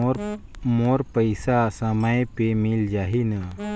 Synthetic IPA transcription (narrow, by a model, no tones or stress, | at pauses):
moɾpəjsasəməjpemild͡ʒaɦina